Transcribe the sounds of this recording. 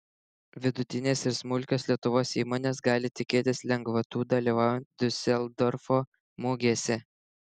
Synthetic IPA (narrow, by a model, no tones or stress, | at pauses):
ʋʲɪd̪ʊt̪ʲɪnʲeːsɪɾsmʊlʲkʲoːslʲiɛt̪ʊʋoːsiːmoːnʲeːs̬ɡɑːlʲɪt̪ʲɪkʲeːt̪ʲɪslʲɛŋɡʋɐt̪uːd̪ɐlʲiːʋɑːjɛnt̪d̪ʲʊsʲɛlˠd̪ɔɾfoː | moːɡʲiɛsʲɛ